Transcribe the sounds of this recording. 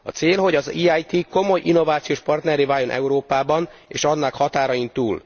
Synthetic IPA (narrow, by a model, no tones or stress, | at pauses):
ɒ̰t̪seːlɦo̞ɟɒziːajt̪iko̞mo̞jʔinːo̞vaːt̪sijoːʃpɒrt̪nɛɾeːvaːjo̞nʔɛ̰uɾoːpaːbɒnḛːʃɒnːɒkhɒt̪aːɾɒjint̪uːl